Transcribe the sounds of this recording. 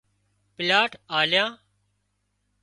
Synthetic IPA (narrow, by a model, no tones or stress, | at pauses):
pɪlaːʈaːljãː